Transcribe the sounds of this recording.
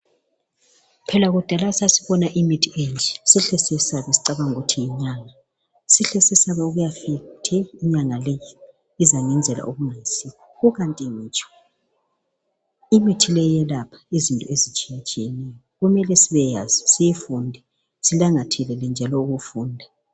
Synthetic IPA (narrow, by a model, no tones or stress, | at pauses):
pʰɛlaɣud̥ʱalasasi̥βɔnaʔimitʰiʔend͡ʒʱɛsiɬɛsɛsaβɛsi̥ǀaβaŋutʰijiɲaŋa | siɬɛsɛsaβɛuɣujafitʰɛiɲaŋalɛji | izaŋɛnd͡zʱɛla̰ʔuɣuŋajisikʰɔɣuɣantʼimiːt͡ʃʼɔ̥ | imitʰilɛjɛlapʰḁizintʼɔezit͡ʃʼijat͡ʃʼijɛnɛjɔɣumɛlɛsiβɛjazisijifundʱɛ | silaŋatʰɛlɛlɛnd͡ʒʱalɔuɣufuːndʱa